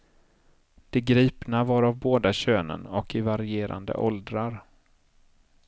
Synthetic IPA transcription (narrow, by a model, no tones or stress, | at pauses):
d̪̥ɛɡɾiːpnavaɾavboːd̪aɕøːnə̰nɔkɪvaɾɪeːɾa̰nd̪ə̰ʔɔld̪ɾaɾ